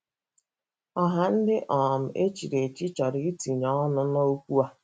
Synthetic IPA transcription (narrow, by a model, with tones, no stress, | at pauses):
ɔ˦ɦa˨n̩˦dɪ˦ʔɔ˨m̩˨ʔe˦t͡ʃi˨ɾe˨t͡ʃi˦t͡ʃa˨ɾi˨i˦ti˨ɲɔ˦ɔ˦nʊ˦no˦o˦kʷu˦a˦